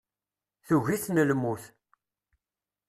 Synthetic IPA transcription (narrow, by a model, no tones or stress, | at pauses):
θuʝiθnəlmuθ